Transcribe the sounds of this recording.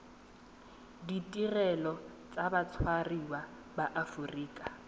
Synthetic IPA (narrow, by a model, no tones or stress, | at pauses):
ditʼirɛlɔ | t͡sʼabat͡sʰwariwa | baʔafuriːkʼa